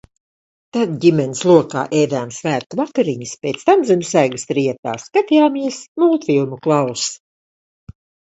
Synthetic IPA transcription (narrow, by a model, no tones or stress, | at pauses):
t̪ad̪̚ɟimʲɛnislˠuɔka̰ːʔɛjd̪aːmsvæːɾt̪uvakaɾiɲispʲeːt̪st̪amzɛnusæːɡɨst̪ɾiɛt̪a̰ːskat̪ijaːmiɛsmuːt̪vʲijumuklˠaws